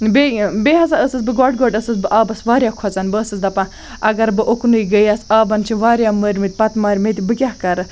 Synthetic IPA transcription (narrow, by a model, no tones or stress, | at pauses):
bebeːɦɐzaːəsɨsbɨɡɔːɖɡoːɖəsɨsbɨʔaːbɐsʋaːɾjaːkʰɔt͡sɐnbɨəsɨsd̪ɐpãː | ɐɡɐɾbɨʔoknɨiɡəjasaːbɐnt͡ʃʰiʋaːɾʲjaːməːɾʲmit̪̚ʲpɐt̪maːɾʲmet̪ʲibɨkʲaɦkɐɾɨ